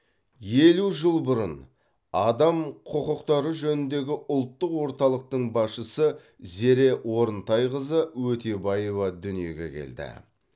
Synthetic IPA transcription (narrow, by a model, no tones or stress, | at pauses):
je̞luʒəlˠbʊɾə̰n | ɑd̪ɑmqʰʊqʊqt̪ɑɾəʒɵnɪnd̪e̞ɡʲɪʔʊlˠt̪ːəqwo̞ɾt̪ɑlˠəq̚t̪əɴbɑsʃəsə | ze̞ɾe̞wo̞ɾənt̪ɑjʁəzəwɵt̪e̞bɑjevɑd̪ʏnije̞ɡʲe̞̰kʲʰḛld̪ɪ̰